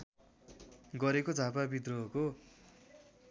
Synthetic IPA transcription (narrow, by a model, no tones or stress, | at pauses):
ɡʌɾekod͡zʱapabid̪rʌɦːko